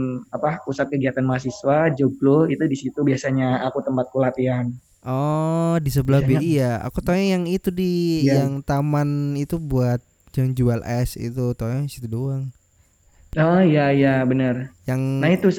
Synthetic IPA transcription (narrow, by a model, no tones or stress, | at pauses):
apapusat̪̚kəɡiat̪anmas̬iswad͡ʒoblohit̪udisit̪ubiasaɲaakut̪əmpat̪̚kulat̪ian | ʔɔdisəbəlabaijaa̰kut̪ojaŋjaŋit̪udijaŋt̪amanit̪ubuat̪̚ | d͡ʒand͡ʒualɛsḭt̪ut̪ojadisit̪udoaŋ | ɔijaijabənərjaŋnait̪u